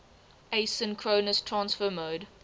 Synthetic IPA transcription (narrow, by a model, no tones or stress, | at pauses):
eɪsɪ̃nkʰɹoːnəstʰɹãnsfəmoːd